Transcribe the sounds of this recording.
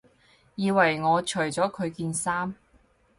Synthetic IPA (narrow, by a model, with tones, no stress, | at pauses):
jiː˨˧wɐ˨˩jŋɔː˨˧t͡ʃʰɵ˨˩ɥt͡sɔː˨˥kʰɵ˨˧ɥkiː˧nsaː˥m